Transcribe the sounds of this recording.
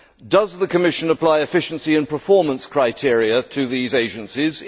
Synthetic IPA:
d̥ʌzðəkʰəmɪʃə̃nəpʰl̥aɪɨfɪʃə̃n̩siɨ̃npəfɔɹmə̃nskʰɹ̥aɪtʰɪɹiətʰɨðizeɪd͡ʒɨ̃nsiz

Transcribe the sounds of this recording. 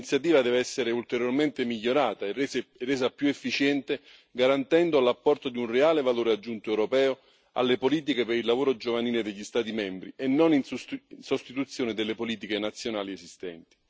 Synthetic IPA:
nit̪sːjat̪̬iːvad̪ɛːveɛsːeɾeult̪eɾjorment̪emiʎːoɾaːt̪arːeːzapjuefːit͡ʃɛnt̪e | ɡaɾant̪ɛnd̪ʊlapːɔrt̪od̪iunreaːlevaloːɾead͡ʒːunt̪oɛwɾopɛːo | a̰lːepoliːt̪̬ikepeɾilːavoːɾod͡ʒovaniːled̪eʎːist̪aːt̪̬imɛmbɾienːoninsost̪it̪ut̪sːjoːnɪd̪elːepoliːt̪̬ikenat̪sːjonaːliesist̪ɛ̰nt̪i̥

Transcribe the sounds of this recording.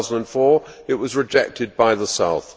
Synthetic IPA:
zn̩də̃nfɔɪʔ̚wʌzɹɨd͡ʒɛk̚tʰɨd̚baɪðəsaʊθ

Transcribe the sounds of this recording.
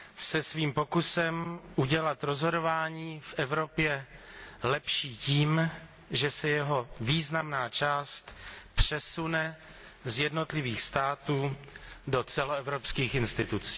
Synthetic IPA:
sɛsviːmpokusɛmʔuɟɛlat̪ɾozɦo̞dovaːɲiːfʔɛvɾo̞pjɛ | lɛpʃiːciːm | ʒɛsɛjɛɦo̞viːznamnaːt͡ʃaːst̪pr̝̥ɛsunɛ | zjɛdno̞t̪lɪviːxst̪aːt̪uːdo̞t͡sɛloɛvɾopskiːxɪnst̪ɪt̪ut͡si̥ː

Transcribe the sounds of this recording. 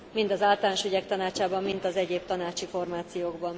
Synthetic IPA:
mind̪ɒzaːlt̪ɔlnʃyɟɛkt̪ɒnaːt͡ʃaːbɒmːint̪ɒzɛɟeːb̚t̪ɒnaːt͡ʃifo̞rmaːt̪sijoːɡbɒn

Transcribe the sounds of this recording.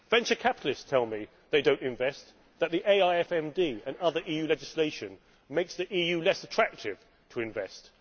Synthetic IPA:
v̥ɛ̃nt͡ʃə˞kʰapɪ̥ɾˡl̩ɪststʰɛlˠmi | ðeɪdõʊ̃ntɨ̃ɱvɛs | ðəʔ̪̚ðiʔeɪaɪɛfɛ̃mdiə̃nʌðə˞ʔiːjʉːlɛd͡ʒɪsleɪʃɨ̃n | meɪksðiʔiːjʉlɛsətʰɹ̥æk̚tʰɪv̥ | tʰəɨ̃ɱvɛst

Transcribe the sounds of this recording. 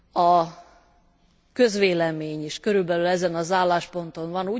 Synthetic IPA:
ɒ | kø̞zʋeːlɛmeːɲiʃkø̞ɾylbɛlylɛzɛnɒzaːlːaːʃpo̞nt̪o̞ɱvɒnuː

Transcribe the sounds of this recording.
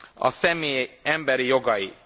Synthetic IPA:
ɑ̰sɛmiɛmbɛɾjoɡɑi

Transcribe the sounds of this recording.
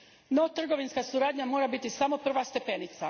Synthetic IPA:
no̞t̪r̩ɡo̞ʋinskasuɾaːd̪ɲamo̞ːɾabit̪isamo̞pr̩ʋast̪e̞pe̞nit̪sa

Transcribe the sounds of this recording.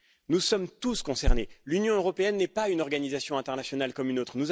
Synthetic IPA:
nusɔmt̪uskɔ̃sɛʁnelynjɔ̃øʁɔpeɛnːɛpaynɔʁɡanizasjɔ̃ɛ̃t̪ɛʁnasjɔnalkɔmynot̪χnuz

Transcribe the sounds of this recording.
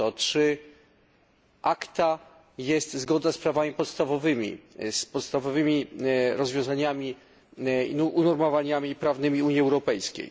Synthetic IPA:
ɔtʂɘ | ʔakt̪a | jɛst̪zɡɔd̪aspɾavamʲipɔt̪st̪avɔvɘmʲḭspɔt̪st̪avɔvɘmʲiɾɔzvʲjɔ̃w̃zaɲamʲi | uʔunɔɾmɔvaɲamʲipɾavnɘmʲiuɲjiɛwɾɔpɛjskʲḛj

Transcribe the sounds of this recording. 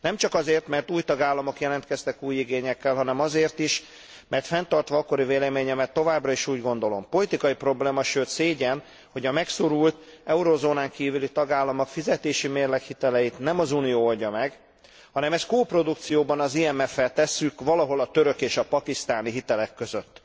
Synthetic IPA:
nɛmt͡ʃɒkɒzeːrt̪mɛrt̪uːjt̪ɒɡaːlːɒmo̞kjɛlɛnt̪kɛst̪ɛkuːjːiɡeːɲɛkːɛlɦɒnɛmɒzeːrt̪iʃ | mɛrt̪fɛnt̪ɒrt̪ʋɒːkːo̞ɾiveːlɛmeːɲɛmɛt̪ːo̞vaːbrɒiʃuːɟɡo̞nd̪o̞lo̞̰mpo̞lit̪ikɒjipro̞bleːmɒʃøːt̪seːɟɛn | ho̞ɟɒmɛkso̞ɾult̪ɛuɾoːzoːnaːŋkiːvylit̪ɒɡaːlːɒmokfizɛt̪eːʃimeːrlɛkhit̪ɛlɛjit̪nɛmɒzunijoːolɟɒmɛɡ | hɒnɛmɛst̪koːpro̞d̪ukt̪sijoːbɒnɒziɛmɛfːɛlt̪ɛsːykʋɒlɒɦo̞lɒt̪ø̞ɾøkeːʃɒpɒkist̪aːniɦit̪ɛlɛkːø̞zøt̪ː

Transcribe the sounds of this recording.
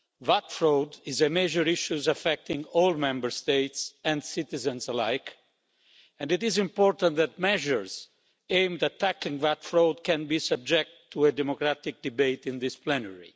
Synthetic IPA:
vat̪fɹowd̪ɪzemɛʒəɾiʃuzafɛk̚t̪ɪ̃ŋɔlmɛ̃mbəɹst̪eɪt̪sɛ̃ndsɪt̪izə̃nsəla̰jk | ɛ̃ndɪt̪ɪzĩmpɔɾt̪ãnt̪ðɛt̪̚mɛʒəɹz | ẽɪmd̪ɛtʰːæklĩŋvat̪fɹowd̪̚kɛ̃nbisəb̚d͡ʒɛk̚t̪ʰːued̪ɛmokɾat̪ɪk̚d̪ibeɪt̪ĩnðɪsplɛnəɹḭ

